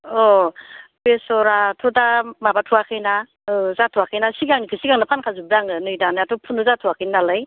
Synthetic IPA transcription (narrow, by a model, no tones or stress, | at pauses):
ɔ | pesɔɾatʰɔdamabatʰuakʰɯjna | ɯzatʰuakʰɯjnasiɡaŋnikʰɯsiɡaŋnapʰankʰazub̚daŋɯnɯjdanaatɔpʰunɯzatʰuakʰɯjnnalaj